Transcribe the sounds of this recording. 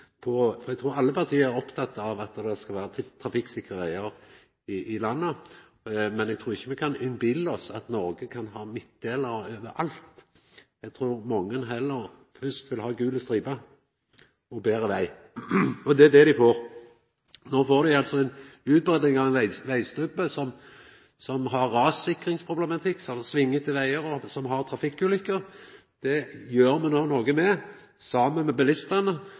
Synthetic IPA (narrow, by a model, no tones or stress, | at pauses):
pʰɔfɔɾɛɡt̪ʰɾuːɾɑlːəpʰɑʁt̪ʰiːəɾæɾɔpt̪ʰɑt̪ːɑʋɑt̪ːd̪ɛskɑlʋæːɾət̪ʰɾɑfɪksɪkɾəʋæɪəɾ | ɪʔɪlɑnːə | mɛnɛɡt̪ʰɾuːɾɪçːəmɛkʰɑnɛnbɪlːɔsɑt̪nɔɾɡəkʰɑnɦɑːmɪt̪̚d̪eːləɾøːʋəʔɑlt̪ | ɛɡt̪ʰɾuːɾmɔŋːənɦɛlːəɾ | hœst̪ʋɪlɦɑːɡʉːləst̪ɾiːbɑ | ɔbeːʁəʋæɪ | ɔd̪ɛd̪ɛd̪ɪfoːʁ | noːfoːʁd̪ɪɑlt̪sɔɛɪnʉːt̪̚bʁɛːd̪nɪŋɑʋɛnæɪʋæɪst̪œbəsɔm | sɔmɦɑʁːɑːsɪkːʁɪŋspʰʁʊblɛmɑt̪ʰɪkːsɛlsʋɪŋːət̪ɪʋæɪəɾɔsɔmɦɑʁt̪ʰɾɑfɪkːʉːlʏkːəʁ | d̪̥ɛjøːɾmɛnoːnoːɡəmɛ | sɑːmənmɛbɛlɪst̪ənə